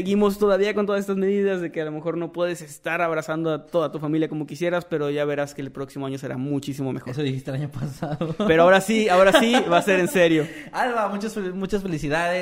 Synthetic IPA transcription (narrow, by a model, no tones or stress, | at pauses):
eɣimo̞st̪o̞ðaβiakont̪oasest̪azme̞ðiðazðe̞kealo̞me̞xo̞ɾno̞pwe̞ðe̞se̞st̪aɾaβɾasand̪oat̪o̞ðat̪ufamiljako̞mo̞kisje̞ɾaspe̞ɾoʝaβe̞ɾaskeːlpɾo̞ksimoaɲose̞ɾa̰mut͡ʃisimomexosoðiist̪elaɲopasaðope̞ɾoaoɾasiaoɾasiβase̞ɾe̞nse̞ɾjo̞alβamut͡ʃasfemut͡ʃasfe̞lisiðaðe